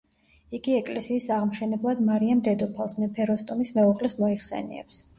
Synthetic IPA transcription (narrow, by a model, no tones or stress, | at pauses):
iɡiɛkʼlɛsiːsaʁmʃɛnɛblˠad̪maɾiamd̪ɛd̪ɔpʰalˠsmɛpʰɛɾɔst̪ʼɔmismɛuʁlɛsmɔiχsɛ̰nḭɛ̰ps